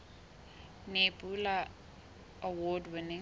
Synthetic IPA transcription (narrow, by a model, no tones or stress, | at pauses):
nebʼula | awɔdwɪnɪ